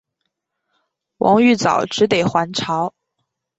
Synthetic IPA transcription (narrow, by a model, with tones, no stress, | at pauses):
wɑ̰˧˥ŋy˥˩t͡sɑ̰˨˩˦ʊʈ͡ʂɻ̩˧˥t̪e˨˩ɪxwa˧˥nʈ͡ʂʰɑ˧˥ʊ